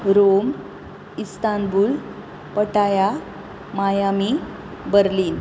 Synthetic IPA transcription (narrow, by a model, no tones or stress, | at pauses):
ɾom | ist̪anbuːl | pəʈaja | majami | bəɾliːn